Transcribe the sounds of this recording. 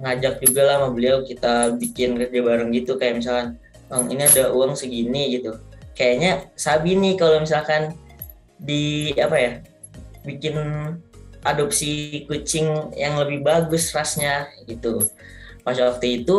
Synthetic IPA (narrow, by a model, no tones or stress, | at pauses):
ŋad͡ʒak̚d͡ʒuɡalamabəliawkit̪abikɪnkərd͡ʒabaɾaŋɡit̪ukajamis̬alkan | aŋḭniadauaŋsəɡiniɡit̪ukajaɲasabinikalomisalkan | diapaja | bikɪn | ʔadop̚sikut͡ʃɪŋjaŋləbɪhbaɡʊsrasɲaɡit̪u | pasawak̚t̪uit̪u